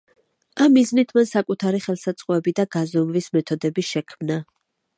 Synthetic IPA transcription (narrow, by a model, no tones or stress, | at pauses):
amːiznit̪ʰmansakʼut̪ʰaɾiχɛlˠsat̪sʼqʼɔɛbid̪aɡazɔmvismɛt̪ʰɔd̪ɛbiʃɛkʰmna